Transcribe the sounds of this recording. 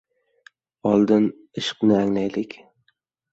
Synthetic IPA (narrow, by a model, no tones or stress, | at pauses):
ɒlˠd̪ɪn | ɪʃɨ̥qnɪæŋnæjlɪkʲ